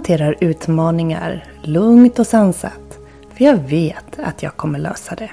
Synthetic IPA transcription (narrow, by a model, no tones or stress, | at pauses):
t̪ʰeːɾaɾʉ̟ːt̪mɑːnɪŋa̰ɾ | lɵŋt̪ɔsansa̰t̪ː | fœɾjɑːɡveːt̪a̰t̪ʰjɑːɡ̚kʰɔmːəɭø̰ːsad̪ɛ